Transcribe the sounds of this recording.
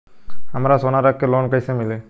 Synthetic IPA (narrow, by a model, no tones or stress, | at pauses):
amaɾasɔnaɾakːɛlɔnkajsɛmilɛ